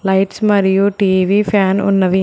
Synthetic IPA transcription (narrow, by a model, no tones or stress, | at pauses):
lɐjʈsmɐɾijuʈiːʋipʰaːnṵnːɐʋi